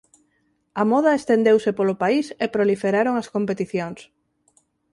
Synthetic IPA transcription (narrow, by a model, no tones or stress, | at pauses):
amɔð̞aest̪end̪ewsɪpolʊpaisepɾolifeɾaɾoŋɐskompet̪iθjoŋs